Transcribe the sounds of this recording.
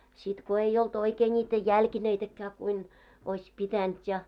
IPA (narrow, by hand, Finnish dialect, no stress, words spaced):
sit ko ei olt oikeː nʲiːtæ jælkineitækːæː kuin oisʲ pitænt jɑ